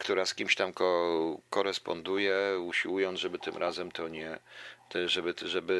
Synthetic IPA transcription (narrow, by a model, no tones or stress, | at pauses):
kt̪uɾaskʲimɕt̪amkɔkɔɾɛspɔ̰nd̪ujɛuɕiwujɔnʐɛbɘt̪ɘmɾʔazɛmt̪ʰɔɲɛt̪ɛʐɛbɘʐɛbɘ